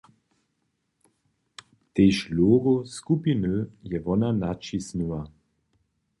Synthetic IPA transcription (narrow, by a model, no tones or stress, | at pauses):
t̪eʃloːɡoskupinøjɛvɔnanat͡ʃisniwa